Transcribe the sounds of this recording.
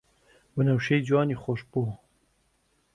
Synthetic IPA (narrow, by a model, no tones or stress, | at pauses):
bənɐwʃejd͡ʒwɑːniːxoʃpoː